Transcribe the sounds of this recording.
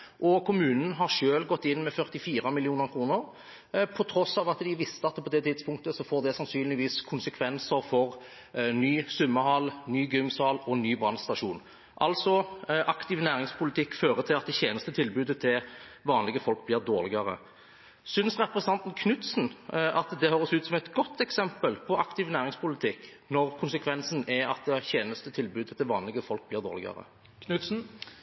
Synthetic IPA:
ʔɔkʰʊmʉːnn̩ɦɑʁʂøːlɡɔt̪ːɪnːmɛfœʁt̪ɪfiːɾɑmɪlɪuːnəɾkʰɾuːnəʁ | pʰɔt̪ʰɾɔsɑːʋɑt̪d̪ɪʋɪst̪əɑt̪pʰɔd̪ɛt̪ʰɪd̪spʊŋkt̪əsɔfoːʁd̪ɛsɑnsyːnlɪʋiːskʰʊnsəkʰʋɛnsəɾfɔʁ | nyːsʉmːəhɑlnyːɡʏŋsɑːlːɔnyːbʁɑnst̪ɑʂuːn | ʔɑlsɔʔɑkt̪ɪʋnæːʁɪŋspʰʊlɪt̪ʰɪkːføːʁət̪ʰɪlɑt̪̚d̪ɛçeːnəst̪ət̪ʰɪlbʉːd̪ət̪ʰɪlʋɑːnlɪɡəfɔlk̚bliːʁd̪oːʁlɪɡɑʁə̰ | sʏnsʁɛpɾəsənɑnt̪nkʰnʉt̪sn̩ʔɑt̪d̪ɛhøːɾəsʉːt̪sɔmɛt̪ɡɔt̪ːɛksɛmpəlpʰɔʔɑkt̪ɪʋnæːʁɪŋspʰʊlɪt̪ʰɪkː | nɔʁkʰʊnsɛkʰʋɛnsn̩ɛɑt̪̚d̪ɛçeːnəst̪ət̪ʰɪlbʉːd̪ət̪ʰɪlʋɑːnlɪɡəfɔlk̚bliːʁd̪oːʁlɪ̰ɡɑ̰ʁə̰ | kʰnʉt̪sn̩

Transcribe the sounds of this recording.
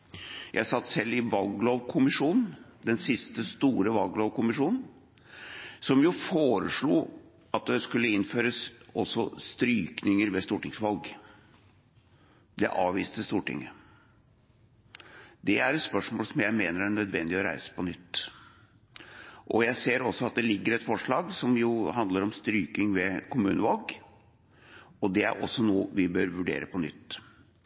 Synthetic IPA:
jʔæɪsɑt̪ːsɛlːɪʋɑlɡloːʋkʰʊmɪʂuːnn̩d̪ɛnsɪst̪əst̪uːɾəʋɑlɡloːʋkʊmɪʂuːnn̩ | sɔmjʊfoːɾəʂɭuː | ʔɑt̪̚d̪ɛskʉlːəɪnføːɾəsɔsɔst̪ɾyːknɪŋəɾʋɛst̪uːʈɪŋsʋɑlɡ | d̪ɛ̰ʔɑːʋʋiːst̪əst̪uːʈɪ̰ŋːə | d̪ɛæɾɛt̪spœʂmoːlsɔmjæɪmeːnəɾæɳœd̪ʋɛnd̪ɪɔɾæ̰ɪsə̥pɔnʏt̪ː | ʔɔjæɪseːɾɔsːɔɑt̪̚d̪ɛlɪɡːəɾɛt̪fɔʂɭɑːɡsɔmjʊɦɑnd̪ləɾɔmst̪ɾyːkɪŋʋɛkʊmʉːnəʋɑlɡ | ɔd̪ɛæ̰ɾʔɔ̰sːɔnuːʋɪbøːɾʋʉɖḛːɾəpɔnʏt̪ː

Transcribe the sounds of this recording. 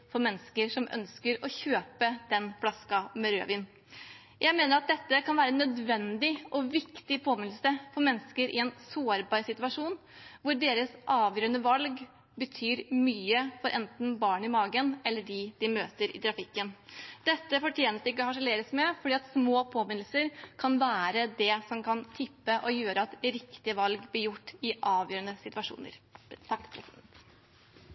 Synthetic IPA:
fɔɾmɛnːəskəɾʂɔmʔœ̰nskəɾɔçøːpəd̪̥ɛnflɑskɑmɛɾø̰ːʋiːn | jʔæɪmeːnəɾɑt̪̚d̪ɛt̪ːəkʰɑnʋæːɾəɛnːœd̪ʋɛnd̪ɪʔɔʋɪkt̪ɪpʰoːmɪnl̩səfɔɾmɛnːəskəɾʔɪ̰ɛnsoːɑɾbɑɾsɪt̪ʉɑʂuːn | ʋʊɾɖeːɾəsʔɑːʋjøːɾənəʋɑlɡ | bət̪ʰyːɾmyːəfɔɾʔɛnt̪n̩bɑːɳɪmɑːɡənɛlːəɖɪd̪̥ɪmøːt̪əɾɪ̰t̪ʰɾɑfɪkːənd̪̥ɛt̪ːəfɔʈʰjeːnəsd̪ɛɪkːəɔhɑʂəleːɾəsmɛfɔɖiːɑt̪smoːpʰoːmɪnl̩səɾkʰɑnʋæːɾəd̪ɛsɔmkʰɑnt̪ʰɪpːəʔɔjøːɾəɑt̪ɾɪkt̪ɪəʋɑlɡblɪɾjʊʈːɪʔɑːʋjøːɾənəsɪt̪ʉʋɑʂṵːnə̰ɾt̪ʰɑkːpʰɾɛsɛt̪

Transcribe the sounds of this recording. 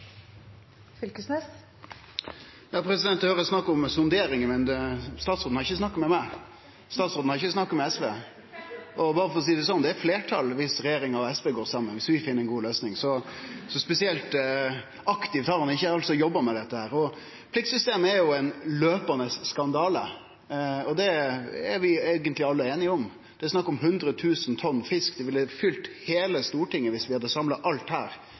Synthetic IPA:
fʏlkəsnɛs | jɑːpʰɾɛsɪd̪ɛnt̪d̪ɛhøːɾəsnɑkːɔmsʊnd̪eːɾɪŋəmɛnst̪ɑːt̪sɾoːn̩hɑɾɪçːəsnɑkːmɛmæɪ | st̪ɑːt̪sɾoːd̪n̩hɑɾɪçːəsnɑkːɔmɛɛsʋeː | ʔɔbɑːɾəfɔɾɔs̬iːd̪ɛsɔnd̪ɛæɾfleːʈʰɑ̰lʋɪsɾɛjeːɾɪŋɑɾɔɛsʋeːɡoːɾsɑmːənʋɪsʋɪfɪnəɾɛnɡuːløːsnɪŋsɔsɔspɛsɪɛlt̪ | ɑkt̪ɪʋt̪ʰɑːʁənəɪçːəɑlt̪sɔjɔbːəmɛd̪ɛt̪ːəhæːɾɔ | pʰlɪk̚sʏst̪eːməɛɾjʊɛɪnløːpɑnəsːkɑnd̪ɑːlə | ɔd̪ɛɛɾʋɪeːɡənt̪lɪɑlːəeːnɪɔm | d̪̥ɛæsnɑkːɔmɦʉnd̪ɾət̪ʰʉːsn̩t̪ʰɔnːfɪskd̪ɛʋɪlɛfʏlt̪heːləst̪uːʈɪŋːəʋɪsʋɪhɑd̪əsɑmlɑʔɑlt̪hæːɾ

